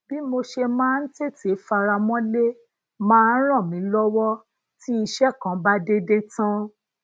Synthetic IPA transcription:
b̥i˦mo˧ʃe˧mãː˦˧n̩˦te˦˨te˨˦fa˧ɾa˧mɔ̃˦le˦ | mãː˦n̩˦ɾ̃ã˦˨mĩ˨˦lɔ˦wɔ˦ | ti˦i˧ʃɛ˦˨kã˨˦ba˦de˦de˦tã˦

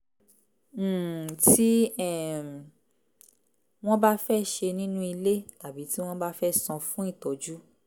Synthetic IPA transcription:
ti˦ɛ˦˨ | w̃ɔ̃˦ba˦fɛ˦ʃe˧nĩ˦nũ˦i˧le˦ta˨bi˨˦ti˦w̃ɔ̃˦ba˦fɛ˦sɔ̃˧fũ˦i˦˨tɔ˨˦d͡ʒu˦

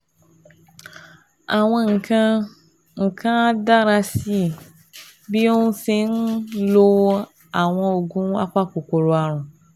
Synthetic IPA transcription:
a˨w̃ẽ˦ŋ̩˨kʰã˦ | ŋ̩˨kʰã˦da˦ɾa˦si˦˨ | bi˦e˦ŋũ˦se˦ŋ̩˦lo˦ | a˨w̃ɔ̃˦wo˨ɡũ˦a̰˦k͡pa˦k͡po˨ko˨ɾo˨a˨ɾ̃ũ˨

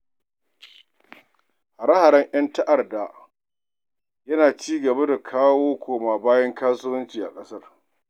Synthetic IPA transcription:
ha˨ɾɐ˦ha˨ɽɛ˦ŋj̰ɐ˦ntɐ˦ʔa˨rda˨ | jɐ˦naː˨t͡ʃiː˦ɡɐ˨ba˦da˨kʰaː˦woː˦kʷʰoː˨maː˨baː˦jɐ˦ŋkaː˦sʊ˦wɐ˦nt͡ʃiː˨ʔa̰˨kʼɐ˦sɐ˦r

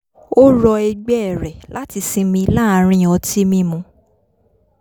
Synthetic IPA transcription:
o˦ɾɔ˧ɛ˧ɡ͡bɛ˦ɛ˨ɾɛ˨la˨˦ti˧sĩ˧mĩ˧la˦˨˧ɾ̃ĩ˦ɔ˧ti˦mĩ˧mũ˧

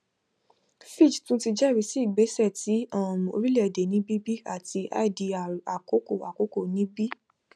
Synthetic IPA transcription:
fi˦˨d͡ʒtũ˦ti˧d͡ʒɛ˦˨ɾi˨˧˦si˦i˦˨ɡ͡be˨˦sɛ˦˨ti˨˦ã˦˨o̰˧ɾi˦le˦ɛ˨de˨nĩ˨˦bi˦bi˦a̰˦˨ti˧ʔa̰˦˨di˧a˨ko˨˦ko˦˨a˨ko˨˦ko˦˨nĩ˨˦bi˦

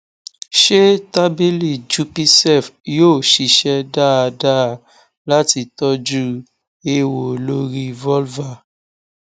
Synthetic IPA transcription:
ʃe˦ta˦bi˦li˦˨d͡ʒu˧pi˧sɛ˦˨fjoː˦˨ʃi˨ʃɛ˧da˦a˧da˦˨ | la˦ti˧tɔ˦d͡ʒu˦ | e˧wo˨lo˦ɾi˦vɔ˦lva˧˨

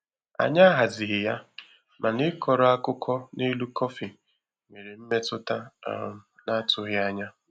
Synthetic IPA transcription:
a̰˨ɲa˦ɦa˨zɪ˨ɦɪ˨ja˦ | mʔa˨nɪ˦kɔ˨ɾɔ˦a˦kʊ˦kʰɔ˦ni˦lu˦kɔ˦fi˨ | me˨ɾe˨m̩˦me˦tʊ˦ta˦ | na˦tʊ˦ɣɪ˦a˦ɲa˦

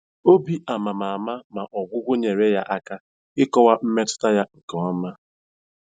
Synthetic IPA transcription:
o˦bi˦a˨ma˨ma˨ma˦ma˨ʔɔ˨ɡ͡bʷʊ˦ɡʷʊ˦ɲe˨ɾe˦ja˦ʔa˦ka˦ | ɪ˦kɔ˦wa˦m̩˦me˦tʊ̥˦ta˦ja˦ŋ̩˨kɔ˨wa˨m̩˦ma˦

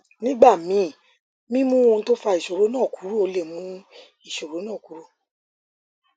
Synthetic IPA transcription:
nĩ˦ɡ͡ba˦˨mĩ˨˦ | mĩ˦mũ˦õ˧˦to˦fa˧i˨ʃo˨ɾo˨˦nãː˦˨ku˨˦ɾu˦o˧le˦˨mũ˨˦ | i˦˨ʃo˨ɾo˨˦nãː˦˨ku˨˦ɾu˦˨

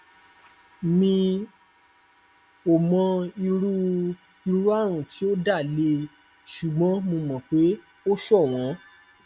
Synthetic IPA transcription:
nĩ˧ | o˨mɔ̃˧i˧ɾu˦ | i˧ɾu˦a˦˨ɾ̃ũ˨ti˨˦o˦da˦˨le˧ | ʃu˨ɡ͡bɔ̃˨˦mõ˧mɔ̃˨k͡pe˨˦ | o˦ʃɔ˦˨w̃ɔ̃˨˦

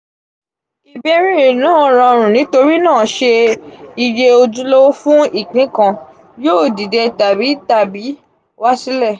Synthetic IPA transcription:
i˨be˧ɾ̃ĩ˦˨nãː˦˨ɾ̃ã˧ɾ̃ũ˨nĩ˨˦to˧ɾi˦nãː˦˨ʃe˧i˧je˧o˧d͡ʒu˧lo˦fũ˦i˦˨k͡pĩ˨˦kã˧ | joː˦˨di˨dɛ˧ta˨bi˨˦ta˨bi˨˦ | wa˦si˦lɛ˦˨

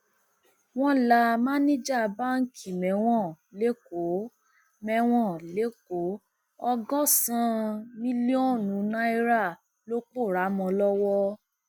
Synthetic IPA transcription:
w̃ɔ̃˦la˧˦mã˦nĩ˦d͡ʒa˦˨ba˦ŋ̩˦kʰi˨mɛ̃˨˦w̃ɔ̃˦˨ | le˨˦ko˨˦ | mɛ̃˧˦w̃ɔ̃˦˨le˨˦k̚o˨˦ | ɔ˧ɡɔ̃˦sã˦mĩ˦li˦ɔ̃˦˨nũ˨˦nã˦i˦ɾa˦˨ | lo˦k͡po˦˨ɾa˨˦mɔ̃˧lɔ˦wɔ˦

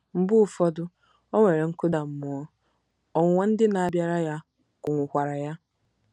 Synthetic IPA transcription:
m̩˨bʊ˦˨fɔ˦dʊ˦ | ɔ˦ŋʷe˨ɾe˨ŋ̩˦kʊ˦da˨m̩˨mʊ˨ɔ˦ | ɔ˨ŋʷe˦n̩˦dɪ˦na˨a˨bja˦ɾa˦ja˦ | kʊ˨ŋʷʊ˨kʷa˨ɾa˨ja˦

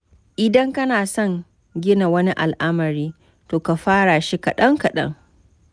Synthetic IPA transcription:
ʔɪ˨dɐ˦ŋkɐ˦naː˨sɔ˦ŋ | ɡʲɪ˦na˨wɐ˦ni˦ʔa̰˨lʔa˦mɐ˨ɾiː˦ | toː˨ka˨ɸaː˦ɽaː˨ʃi˦ka˨ɗɐ˦ŋka˨ɗɐ̰˦ŋ

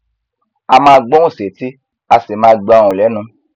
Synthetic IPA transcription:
a˧mãː˦˧ɡ͡bɔ̃˦ũ˦˨se˨ti˦ | a˧se˨mãː˦ɡ͡bɔ˧ɔ˧ɾ̃ũ˨lɛ˨˦nũ˧˦

